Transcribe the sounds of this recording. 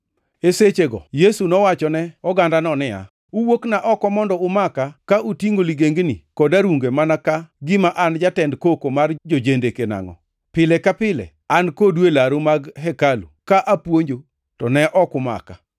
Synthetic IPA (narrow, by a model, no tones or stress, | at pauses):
eset͡ʃeɡɔ̰jesunɔwat͡ʃɔnɛɔɡandanɔnɪa̰ | uwoknaʔɔkɔmɔndɔʊmakakaʔutiŋɡoliɡeŋɡnikɔdaɾuŋɡemanakaɡɪmaʔand͡ʒatɛndkokomard͡ʒod͡ʒendekena̰ŋɔ̰ | pɪlɛkapɪlɛ̰ | ankodwelaɾomaɡɦɛkalukaʔapwoɲd͡ʒo | tɔnɛʔɔkʊma̰ka